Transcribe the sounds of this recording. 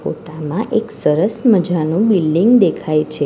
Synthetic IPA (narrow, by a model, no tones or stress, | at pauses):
fo̰ʈamãʔeksəɾəsməd͡ʒʱanũbilɖiŋɡd̪ekʰajt͡ʃʰe